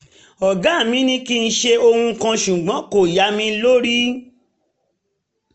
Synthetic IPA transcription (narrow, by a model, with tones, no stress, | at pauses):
ɔ˨ɡã˨˦˨mĩ˨˦nĩ˦ki˦˧n̩˦˧ʃe˧o˧hũ˧ŋ̩˧kã˧ʃu˨ɡ͡bɔ̃˨˦ko˨ja˨˦mĩ˧˦lo˦ɾi˦